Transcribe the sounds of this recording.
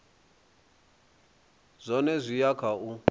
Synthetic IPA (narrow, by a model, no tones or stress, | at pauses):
zʷɔnɛzʷijakʰau